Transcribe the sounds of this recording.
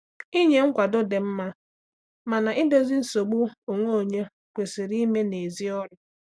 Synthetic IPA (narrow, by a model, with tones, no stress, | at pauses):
i˦ɲe˨ŋ̩˦kʷa˨do˦de˨m̩˦ma˦ | ma˨na˨ʔi˦do˦zi˦n̩˦so˨ɡ͡bu˦o˨ŋʷo˦o˨ɲe˦ | kʷe˨se˨ɾi˦me˦ne˨zi˦ɔ˦ɾʊ˦